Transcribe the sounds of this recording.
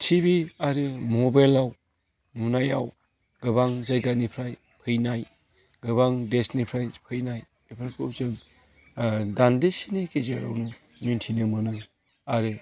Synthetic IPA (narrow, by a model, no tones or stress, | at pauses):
tʰibiaɾɯmobajlaw | nunajaw | ɡ̥ɯbaŋzajɡanipʰɾaj | pʰɯjnaj | ɡɯbaŋdesnipʰɾajpʰɯjnaj | epʰaɾkʰɯwzɯŋ | dandesinikezea̰ɾa̰wnɯ | nuntʰinɯmɯnɯ | aɾɯ